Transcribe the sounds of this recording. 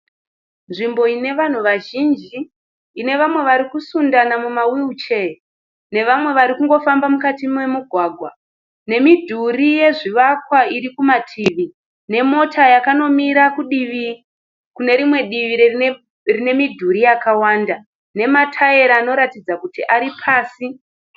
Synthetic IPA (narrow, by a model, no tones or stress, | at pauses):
nʐimbo̞ine̞ʋan̤uʋaʒind͡ʒiː | ne̞ʋamwe̞ʋaɾikusundanamumawiut͡ʃe | ne̞ʋamwe̞ʋaɾikuŋɡo̞fambamukatimwe̞muɡʱwaːɡʱwa | ne̞midʱurije̞ʐiʋakwaiɾikumatʰiːʋi | ne̞mo̞tajakano̞miɾakuɗiʋi | kune̞ɾimwe̞ɗiʋiɾe | rine̞midʱuɾijakawaːnda | ne̞matʰae̞ɾaːno̞ɾatid͡zakutiʔaɾipʰaːsi